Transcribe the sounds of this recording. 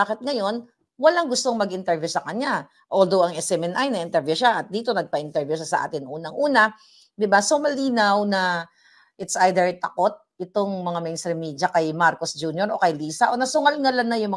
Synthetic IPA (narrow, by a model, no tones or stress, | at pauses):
aːkɪt̪̚ŋɐjo̞n | wɐlaŋɡʊst̪oŋmɐɡʔɪnt̪ɛɹvjusɐkɐɲa | ʔold̪owɐŋɛsɛmɛnʔajnɐʔɪnt̪ɛɹvjuʃaʔɐt̪̚d̪iːt̪o̞nɐɡ̚pɐʔɪnt̪ɛɹvjusɐsɐ̰ʔa̰ːt̪ɪnʔuːnɐŋʔuːnɐ | d̪ɪbasomɐliːnawnɐ | ʔɪt̪sʔajd̪ɛɹt̪ɐko̞t̪̚ʔɪt̪o̞ŋmɐŋamɛjnst̪ɾɪmiːd͡ʒɐkɐjmaɾkosd͡ʒuːnjoɾʔo̞kɐjliːsɐʔo̞nɐsʊŋalŋɐlanːɐjʊŋmɐ